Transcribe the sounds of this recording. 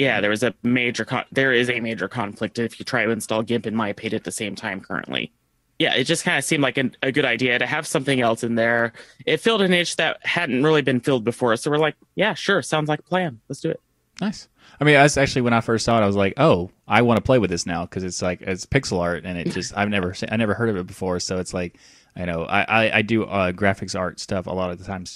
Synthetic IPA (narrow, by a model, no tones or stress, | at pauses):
jæðə˞ɨzɨmeɪd͡ʒə˞kʰɑ̰̃ðə˞ɪzɨmeɪd͡ʒə˞kʰɑ̃ɱflɨk̚tɨɨfjɨtʰɹ̥aɪɾɨɨ̃nstɔlˠɡɪ̃mpɨ̃nmaɪpʰeɪɾɨt̪̚ðɨsẽɪ̃mtʰãɪ̃mkʰɜ̰˞ɨ̰̃nʔlḭ | jæ̰ʔɨt̚d̥ʒʌskʰãɪ̃ndɨsĩmdˡlaɪkɨ̃nɨɡʊɾaɪdiɨɾɨɨv̥sʌ̃mθɪ̃ŋɛlˠsɨ̃nðə˞ɪtfɪlˠdɨ̃nɪ̃t͡ʃðɨt̚hædⁿn̩t̚ɹɪlˠibɨ̃nfɪlˠd̚bɨfɔɹsoʊwəɹlaɪk̚jæʃʊɹtsãʊ̃ndzlaɪk̚ə̥pʰl̥æ̃nlətsd̥ɨɨ̰t̚ | naɪs | aɪmĩnðætsæk̚t͡ʃʉl̩ˠiwə̃ɾ̃aɪfɜ˞stsɔɾaɪwʌzlaɪkoʊ | aɪwɑ̃ñəpʰl̥eɪwɨðɪsnaʊkʰʌzɨtslaɪkɪtspʰɪksl̩ˠɑɹt̚ɨ̃nɨt̚d̥ʒ̥ʌsta̰ɪvnɛvə˞sĩaɪnɛvə˞hɜ˞ɾʌvɨt̚b̥ɨfɔɹsoʊɨtslaɪk̚ | ajɨñoʊʔa̰ɪʔa̰ɪʔa̰ɪdɨʔʌɡɹæfɨksɑɹtstʌfə̰lɔɾʌv̚ðətʰãɪ̃mz̥